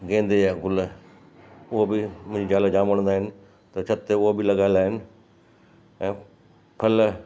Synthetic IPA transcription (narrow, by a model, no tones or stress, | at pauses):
ɡẽːnd̪eaɡʊl | ʊɦobimʊ̃ːɲd͡ʑid͡ʑaːled͡ʑãːməɽ̃nd̪aːɦɪnɪ̆ | t̪ɐt͡ɕʰɐt̪ːeʊɦobʱilɐɡaːɪld̪aːɦɪnɪ̆ | ɛ̃ː | pʰɐl